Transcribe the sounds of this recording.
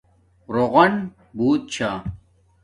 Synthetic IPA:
ɾoʁɐn | buːt̪̚t͡ɕʰa

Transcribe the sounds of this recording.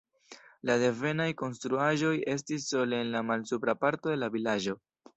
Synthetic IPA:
lade̞ve̞najko̞nstɾuaʒo̞je̞s̬tisːo̞leenlamalsupɾapaɾto̞de̞lavilaʒo̞

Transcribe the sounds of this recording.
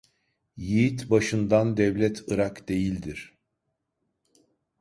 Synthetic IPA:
jijit̪baʃɯnd̪and̪ɛvlʲɛt̪ʰɯɾakd̪e̞jilʲd̪iɾ̥

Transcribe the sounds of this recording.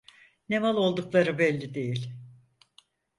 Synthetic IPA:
ne̞malˠo̞lˠd̪uklˠaɾɯbɛlʲːid̪e̞jilʲ

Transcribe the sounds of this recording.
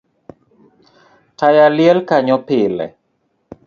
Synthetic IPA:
tajaljɛlkaɲɔpɪlɛ̰

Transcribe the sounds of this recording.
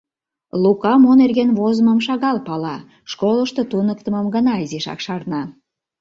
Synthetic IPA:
lukɑmonerɣenβozəməmʃɑɣɑlpɑlɑ | ʃkoləʃt̪ot̪unək̚t̪əməmɡənɑiziʃɑ̰kʃɑrnɑ

